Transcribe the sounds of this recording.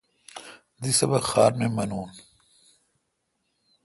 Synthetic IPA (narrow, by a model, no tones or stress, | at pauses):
d̪isɐbɐxaːɾmemɐnuːn